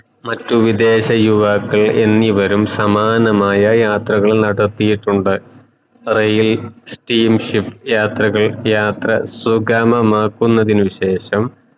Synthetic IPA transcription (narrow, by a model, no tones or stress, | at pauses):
mɐtːuʋid̪e̞ːɕɐjuʋaːkːɐɭe̞nːiʋɐɾumsɐmaːnɐmaːjɐjaːt̪rɐɣɐɭnɐɽɐrt̪ːijiʈːuɳɖɨ | rejilsʈiːmʂipjaːt̪rɐɣɐɭjaːt̪rɐsuɡaːmɐmaːkːunːɐðinɨʋiɕe̞ːɕɐm